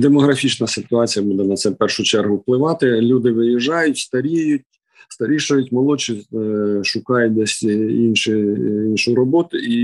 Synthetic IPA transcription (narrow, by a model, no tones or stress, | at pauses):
d̪emɔɦɾɐfʲit͡ʃnɐsɪt̪ʊɑt͡sʲijɐbud̪ɛnɐt̪sɛpɛrʃʊt͡ʃɛrɦʊwplˠɪʋɑt̪ɪlʲud̪ɪʋɪjiʒɑjʊtʲst̪ɐɾʲijʊtʲ | st̪ɐɾʲiʃɐjʊtʲmɔlˠɔt͡ʃiʃʊkɑjʊt̚ʲd̪ɛsʲinʃɪinʃʊjɾɔbɔt̪ʊi